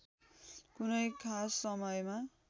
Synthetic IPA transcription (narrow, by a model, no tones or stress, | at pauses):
kunʌjkʰasːʌmʌjma